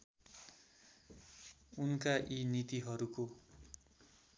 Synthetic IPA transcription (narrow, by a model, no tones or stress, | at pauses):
unkaʔinit̪iɦʌɾuko